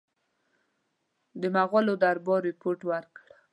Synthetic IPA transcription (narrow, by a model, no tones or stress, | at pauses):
d̪əmaɣalod̪aɾbɔɾɪpoʈwəɾkɽ